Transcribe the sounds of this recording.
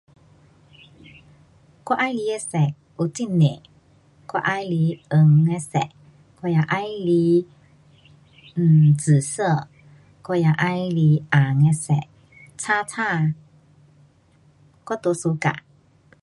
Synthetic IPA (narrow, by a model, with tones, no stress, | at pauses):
kɔ˦˧˦ʔa˧˦jli˧˦e˧˦sɛ˨k̚ | u˧˦t͡si˦˥˨nːe˨ | kɔ˧ʔa˧˦jli˧˦ə˧ŋe˧˦sɛ̰˨ʔ | kɔ˧˨ja˧ʔa˧˦jli˧˦˨ | t͡sɨ˨˩sə˥˩˨ | kɔ˧ja˧˩ʔa˧˥jli˧ʔa˨˩ŋe˧sɛ̰˨ʔ̚ | t͡sʰaː˧˥tʰaː˥˨ | kɔ˥˨t̪u˧˦su˧˦ka̰˧˨